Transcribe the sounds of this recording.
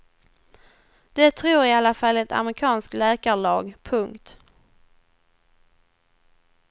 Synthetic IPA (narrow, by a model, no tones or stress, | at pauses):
d̪̥ɛt̪ʰɾuːɾɪalːafalːɛt̪ʰa̰mɾɪkʰɑːnsklɛːkaɭɑːɡpʰɵŋkt̪